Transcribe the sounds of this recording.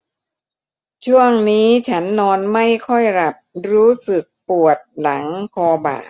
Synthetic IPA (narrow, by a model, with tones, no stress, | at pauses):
t͡ɕʰu˥˩əŋniː˦˥t͡ɕʰa˦˥nːɔː˧nma˥˩jkʰɔ˥˩jɾa˨˩p̚ɾuː˦˥sɯ˨˩k̚pu˨˩ət̪̚la˩˦ŋkʰɔː˧ba̰ː˨˩